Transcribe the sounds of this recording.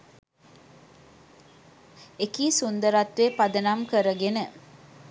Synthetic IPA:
ekiːsund̪əɾat̪ʋepad̪ənamkəɾəɡenə

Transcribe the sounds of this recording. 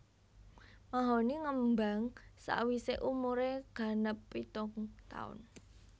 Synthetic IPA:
maɦoniŋəmbaŋsa̰ʔwiseʔumuɾeɡ̥a̤nəpːit̪ʊŋt̪a̰ʊ̰n

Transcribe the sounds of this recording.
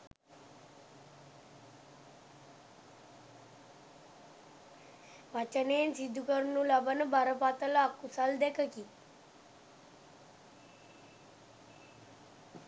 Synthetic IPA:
ʋat͡ʃəneːnsid̪ʱːukəɾnuləbənəbʱaɾəpat̪əlaːkusald̪ɛkəki

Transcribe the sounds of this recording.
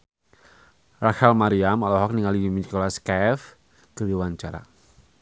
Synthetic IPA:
raxɛlmaɾiamalɔɦɔk̚niŋalimikolaskɛf | kəliwaɲt͡ʃaɾa̰

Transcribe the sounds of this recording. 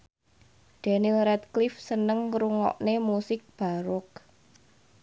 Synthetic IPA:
ɖ̪̥a̤nilɾɛt̪̚klɪfsənəŋkɾuŋɔ̰ʔnemusɪk̚b̥a̤ɾʊk̚

